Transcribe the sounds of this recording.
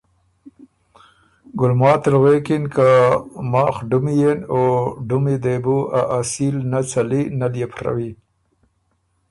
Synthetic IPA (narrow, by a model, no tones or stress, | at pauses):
ɡʊlmɑːt̪ɪlɣekɪnkamɑːxɖʊmijenoɖʊmid̪ebuaʔasilnat͡salinaljepʰɾa̰wi